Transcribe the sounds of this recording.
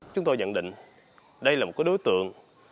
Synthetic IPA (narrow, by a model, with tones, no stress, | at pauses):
t͡ɕʊ˦ŋ͡mt̪o˧jɲə̰˧˨nɗḭ̈˧˨ŋ̟ | ɗə˧jlaː˨mo˨˩kːəː˨˦jɗo˨˦jt̪ɨ̰˧˨əŋ